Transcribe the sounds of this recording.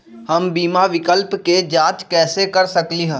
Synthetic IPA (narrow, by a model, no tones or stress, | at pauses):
hɐmbiːmaʋɪkəlpked͡ʒaːt͡ʃkɛːsekəɾsəkliɦɛ̃ː